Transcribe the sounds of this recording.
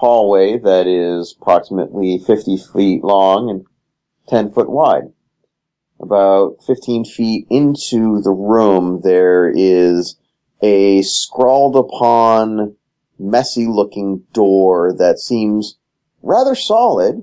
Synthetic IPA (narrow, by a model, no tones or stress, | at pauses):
hɔlˠweɪðɨɾɪzəpʰɹ̥ɑksəmɨ̰ʔlifɪftifiʔlɔ̃ŋɨ̃n | tʰɛ̃nfʊʔ̚waɪd̥̚ | ʔəbaʊt̚fɪftʰĩnfiɾɪ̃ntʰʉðəɹũmðə˞ɪz | ʔɨskɹɔlˠdəpʰɑ̃n | mɛsilʊkɪ̃ŋd̥ɔɹðɨtsĩmz | ɹæðə˞sɑlˠɪd̚